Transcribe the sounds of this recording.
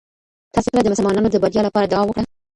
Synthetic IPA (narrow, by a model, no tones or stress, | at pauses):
t̪ɑsokəlad̪əmʊsəlmɑnɑnod̪əbaɾjɑlapɑɾad̪awɑmwəkɽa